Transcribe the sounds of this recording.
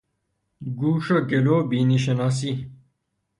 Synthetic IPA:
ɡuːʂɐkeloːbiniɕ̬enas̬i

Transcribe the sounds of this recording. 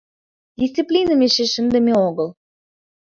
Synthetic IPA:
dʲisʲt̪t͡siplʲinəmeʃeʃə̆nd̪ə̆mʲeoɣəlˠ

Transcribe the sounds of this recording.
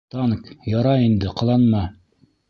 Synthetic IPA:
t̪ɑnkjɑɾɑind̪ɘqɑ̆lˠɑnmɑ

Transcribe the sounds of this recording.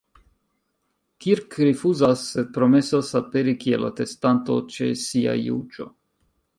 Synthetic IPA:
kiɾkɾifuzasːed̪̚pɾo̞mesasape̞ɾikiḛlːa̰t̪e̞stant̪o̞̰t͡ʃe̞̰sia̰jṵd͡ʒo̞̰

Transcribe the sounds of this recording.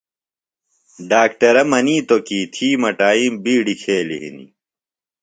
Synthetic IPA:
ɖaːk̚ʈɐɾɐmɐniːt̪okiːt̪ʰiːmɐʈaːiːmbiːɽikʰeːlḭɦḭnḭ

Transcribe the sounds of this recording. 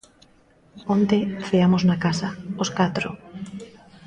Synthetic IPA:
ont̪efeamoznakasaoskat̪ɾo̰

